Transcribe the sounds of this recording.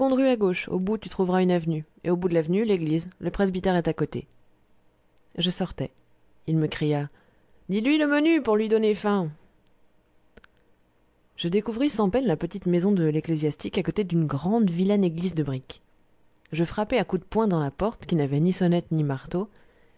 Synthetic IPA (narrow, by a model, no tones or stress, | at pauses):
ɡɔ̃d̪ʁyaɡoʃo̰but̪yt̪χuvʁaynavny | ḛobud̪əlavnyleɡlizləpχezbit̪ɛʁɛt̪akot̪e | ʒəsɔʁt̪ɛ | ilməkχija | d̪ilɥiləmənypuʁlɥid̪ɔnefɛ̃ | ʒəd̪ekuvʁisɑ̃pɛnlapət̪it̪mezɔ̃d̪əleklezjast̪ikakot̪ed̪ynɡʁɑ̃d̪vilaneɡlizd̪əbʁik | ʒəfχapɛakud̪əpwɛ̃d̪ɑ̃lapɔʁt̪kʲinavɛnisɔnɛt̪nimaʁt̪o